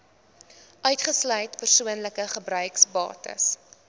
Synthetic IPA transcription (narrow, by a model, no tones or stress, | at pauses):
ʔœɥtχəslœɥtpərsuənləkəχəbrœɥksbɑ̰ːtə̰s